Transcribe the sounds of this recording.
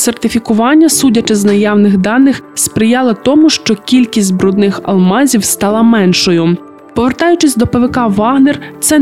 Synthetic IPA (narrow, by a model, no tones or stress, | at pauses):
sert̪ɪfʲikʊʋɑnʲːɐsudʲɐt͡ʃɛznɐjɑwnɪɣd̪ɑnɪxspɾɪjɑlˠɐt̪ɔmʊʃt͡ʃɔkʲilʲkʲisʲtʲbɾɔd̪nɪxɐ̰lˠmɑzʲiwst̪ɑlˠɐmɛnʃɔjʊ | pɔʋert̪ɑjʊt͡ʃɪsʲd̪ɔpeʋɪkɑʋɑɦnert̪sɛ